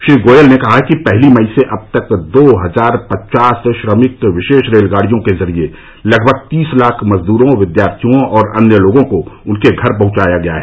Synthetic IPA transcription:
ʃɾiːɡoːjəlnekɐɦakipɛɦlimɐɪiseʔɐb̚t̪ɐkd̪oːɦɐzaːɾpɐtt͡ʃaːsʃɾəmɪkʋɪʃeːʃɾeːlɡaːɽ̤ijõkezɐɾie | lɐɡbʱəɡ̚t̪iːslaːkʰmɐzd̪uːɾõʋɪd̪jaːɾt̪ʰijõɔːɾɐ̰njəloːɡõkoʊnkeɡʱɐɾp̬ɐ̃ɦʊ̃t͡ʃaːjaɡɐja̰ɦɛː

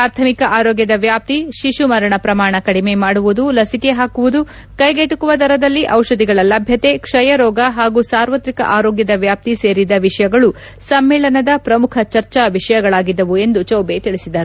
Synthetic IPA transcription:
ɾaːɾt̪ʰɐmikɐʔaːɾɔːɡjɐd̪ɐʋjaːp̚t̪iʃiʃumɐɾɐɳɐpɾɐmaːɳɐkɐɽime̞maːɽuʋud̪ulɐsikeɦaːkuʋud̪u | kɐjɡeʈukuʋɐt̪ɐɾɐd̪ɐlːiʔɐwʃɐd̪iɡɐɭɐlɐbʱjɐt̪e̞kʂɐjɐɾɔːɡɐɦaːɡusaːɾʋɐt̪ɾikɐ̰ʔaːɾoːɡjɐd̪ɐʋjaːp̚t̪ise̞ːɾid̪ɐʋiʂɐjɐɡɐɭu | sɐmːeːɭɐnɐd̪ɐpɾɐmukʰɐt͡ʃɐɾt͡ʃaʋiʂɐjɐɡɐɭaːɡid̪ːɐʋue̞nd̪ut͡ʃɐwbe̞t̪iɭisid̪ɐɾu

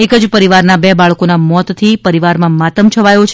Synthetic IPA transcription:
ekəd͡ʒpəɾiʋaɾnabɛbaɭkonamɔt̪t̪ʰipəɾiʋaɾmãmat̪əmt͡ʃʰəʋajot͡ʃʰ

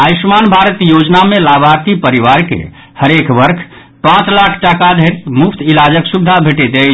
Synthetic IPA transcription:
aismanbʱaɾət̪jod͡ʒnamelabʱaɾt̪ipəɾiʋaɾkḛ | həɾekbəɾkʰ | pãt͡ʃlakʰʈakad̪ʱeɾmupʰt̪ʰilad͡ʒəksubd̪ʱabʱeʈed̪e

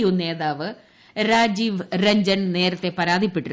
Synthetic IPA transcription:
june̞ːðaːʋɨ | ɾaːd͡ʑiːʋrɐɲd͡ʑɐnne̞ːɾɐt̪ːe̞pɐɾaːd̪ʱipːiʈːu

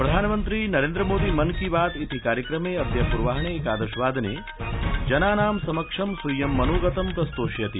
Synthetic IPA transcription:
pɾɐd̪ʱaːnɐmɐnt̪ɾiːnɐɾeːnd̪ɾɐmoːd̪iːmɐnkiʋaːt̪it̪ikaːɾjɐkɾɐmeːɐd̪jɐpuɾʋaːɦɐɳ̃eːkaːd̪ɐʃʋaːd̪ʱɐnḛː | d͡ʒɐnaːnaːmsɐmɐkʂɐmsujːɐmːɐnoːɡɐt̪ɐmkɐst̪oːʃjɐt̪i

